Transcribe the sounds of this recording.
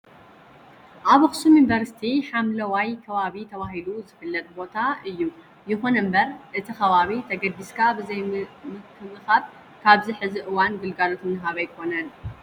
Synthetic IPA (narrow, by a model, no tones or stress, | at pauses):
ʔaβɨxsumjunvɐɾsi̥t̪ʰiħamlɐwajkʰɐβaβit̪ʰɐβahiluzɨfɨlːɐt̪̚ʼbo̞t̪ʰaɨjːu | jɪxunɨmbɐɾʔɨt̪ʰixɐβaβit̪ʰɐɡɐd̪ːiskʰabɨzɐjmɨkʰːɨβɨxab | kʰaβziħɨziʔɨwanɡɨlɡalot̪ɨnɨɦaβajkʰo̞nɐn